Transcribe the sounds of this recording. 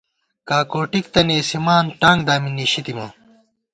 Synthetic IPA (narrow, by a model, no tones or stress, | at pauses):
kaːkoːʈik̚t̪ɐneːsimaːnʈaːŋɡd̪aːminːiːɕit̪imɐ